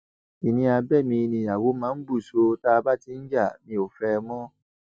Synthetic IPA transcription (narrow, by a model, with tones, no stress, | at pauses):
i˨nĩ˧a˧bɛ˦˨mĩ˧nĩ˧a˨wo˨˦mãː˨˦n̩˦bu˦˨so˧ta˦˧ba˦ti˨˦n̩˦d͡ʒa˦˨mĩ˧o˨fɛ˧mɔ̃˦